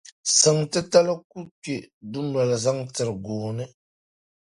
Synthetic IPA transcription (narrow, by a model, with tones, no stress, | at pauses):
sɨ˨ŋtɨ˦ta˦la˦ku˦ke˨du˦m˦la˨la˨za˦ŋtɨ˨ɾɨ˨ɡoː˨nɨ˦